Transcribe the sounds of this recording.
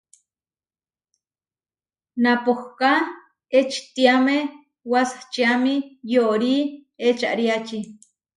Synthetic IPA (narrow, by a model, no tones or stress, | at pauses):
napohka | et͡ʃi̥t̪iame | wasḁt͡ʃiamijoʔɾiet͡ʃa̰ʔɾiat͡ʃi